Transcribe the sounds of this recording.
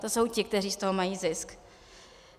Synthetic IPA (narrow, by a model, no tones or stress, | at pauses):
t̪oso̞wcɪk̚t̪ɛriːst̪oɦomajiːzɪsk